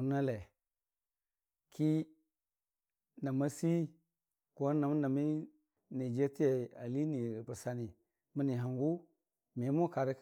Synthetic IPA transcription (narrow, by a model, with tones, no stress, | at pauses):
u˨na˦le˨ | kʰi˦ | na˨ma˦si˦ | ku˦a˦na˨mu˦na˨mi˦ | ni˨d͡ʒe˦ti˦je˨a˨li˦ni˨ɾi˨bu˨sa˨ni˨ | mi˦ni˨ɦa˨ŋɡu˦ | me˨˦mu˦ka˨ɾi˦